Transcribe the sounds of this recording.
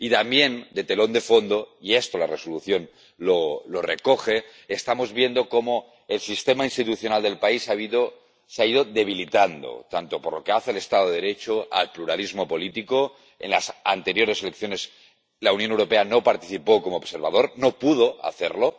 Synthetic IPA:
it̪ambje̞nd̪et̪elo̞nd̪e̞fo̞nd̪oiest̪olaresoluθjo̞n | lolo̞rekoxe̞ː | st̪amozβje̞nd̪o̞ko̞mo | elsist̪e̞mainst̪it̪uθjo̞nald̪e̞lpaisaβiðo | seaið̞oðe̞β̞ilit̪and̪o̰t̪ant̪o̞poɾlo̞keaθeːle̞st̪aðoeeɾet͡ʃoa̰lpluɾalizmo̞po̞lit̪iko | ḛnlasa̰nt̪e̞ɾjo̞ɾe̞selek̚θjone̞s | launjonewɾo̞pe̞anopaɾt̪iθipokomoːβseɾβað̞o̞ɾnopuð̞oa̰θeɾlo

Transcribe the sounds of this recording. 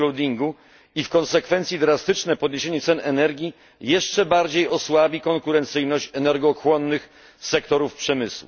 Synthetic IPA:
ɔwd̪ʲiŋɡu | ifkɔnsɛkfɛnt̪sʲjid̪ɾast̪ɘt͡ʂnɛpɔd̪̚ɲeɕeɲɛt̪sɛnɛnɛɾɡʲi | jɛʂt͡ʂɛbaɾd͡ʑejɔswabʲikɔŋkuɾɛnt̪sɘjnɔɕt͡ɕɛnɛɾɡɔxwɔnːɘx | sɛk̚t̪ɔɾufpʂɛmɘswṵ

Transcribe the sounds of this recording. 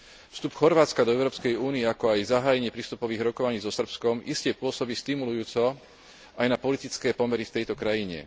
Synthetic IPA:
fst̪upxɔɾʋaːt͡skad̪ɔɛʊɾɔːpskɛjuːniɛakɔajzaɦaːjɛɲɪɛpɾiːst̪upɔʋiːɣɾɔkɔʋaɲiːzɔsr̩pskɔmiscɛpʊɔsɔbiːst̪imulujuːt͡sɔ | ajnapɔlit̪it͡skɛːpɔmɛɾift̪ɛjt̪ɔkɾajiɲɛ̰

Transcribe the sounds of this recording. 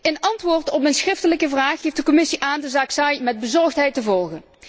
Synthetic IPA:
ənɑntʋʊːrtɔpənsχrɪftələkəvraːxejfdəkɔmɪsiʔaːndəzaːksajmɛd̚bəzɔɹxtɦɛjtəvɔlˠɣən

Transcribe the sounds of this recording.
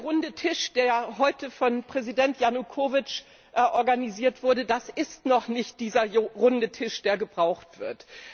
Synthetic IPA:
ɐʁʊndətʰɪʃd̥eːɐɦɔʏtəfɔnpʁ̥ɛzidɛntjanukʰoːvɪt͡ʃ | ʔʔɔɐɡaniziːɐtv̥ʊɐdədasɪstnɔχnɪçt̚d̥iːzɐʁʊndətʰɪʃd̥eːɐɡəbʁaʊxtv̥ɪ̰ɐt

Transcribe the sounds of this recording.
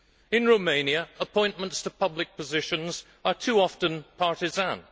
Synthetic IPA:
ɨ̃nɹoʊmẽɪ̃njɨəpʰɔ̃ɪ̃nmə̃ntstʰəpʰʌblɨk̚pʰəzɪʃɨ̃nz̥ | ə˞tʰʉɑftə̃npʰɑɹtɨzæ̃n

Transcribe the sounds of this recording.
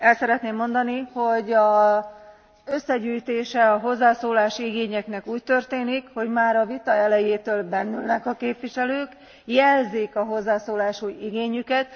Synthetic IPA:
ɛlsɛɾɛt̪neːmːo̞nd̪ɒniho̞ɟɒ | ø̞sːɛɟyːjt̪eːʃɛɒɦo̞zːaːsoːlaːʃiiɡeːɲɛknɛkuːc̚t̪ø̞rt̪eːnikho̞ɟmaːɾɒvit̪ɒɛlɛjeːt̪øːlbɛnːylnɛkɒkeːpʋiʃɛløːk | jɛlzeːkɒɦo̞zːaːsoːlaːʃujiɡeːɲykɛt̪

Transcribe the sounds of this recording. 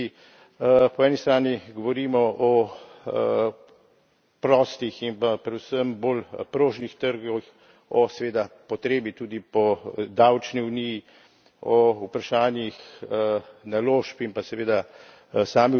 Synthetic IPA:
pɔɛːnist̪ɾaːniɡɔʋɔɾiːmɔʔɔ | pɾɔːst̪iximpapɾɛd̪usəmbolpɾoːʒnixt̪əɾɡɔx | ɔsɛʋeːd̪apɔt̪ɾeːbit̪uːd̪ipɔd̪awt͡ʃniwniji | ɔupɾaʃaːnjix | naloːʃpimpasɛʋeːd̪a | saːmi

